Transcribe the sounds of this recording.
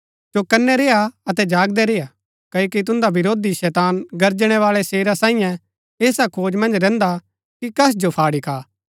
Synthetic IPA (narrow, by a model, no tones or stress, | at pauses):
sokɐnːɛɾeːaɐt̪ɛd͡ʒaːɡd̪ɛɾeːa | kɐokit̪̬ʊ̃nd̪abɪɾoːd̪iʃɛːt̪aːnɡɐɾd͡ʒɽ̃ɛʋaːlɛseːɾasãːĩjã | eːsakʰoːd͡ʒmɐ̃nd͡ʒɾɛ̃ːnd̪a | kikɐs̬d͡ʒopʰaːɽikʰaː